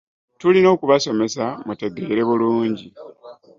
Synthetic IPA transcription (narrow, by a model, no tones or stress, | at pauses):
tulino̞ːkuβaso̞me̞samute̞ɡe̞ːɾe̞βuluːɲɟi